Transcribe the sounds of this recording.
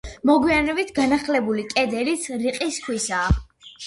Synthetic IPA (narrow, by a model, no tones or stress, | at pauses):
mɔɡwianɛbit̪ʰɡanaχlɛbulikʼɛd̪ɛɾit̪sʰɾiqʼiskʰwisaː